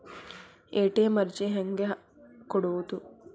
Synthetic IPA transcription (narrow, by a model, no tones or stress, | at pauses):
eːʈeːmɐɾt͡ʃiɦeŋɡe | kɔɽuʋut̪u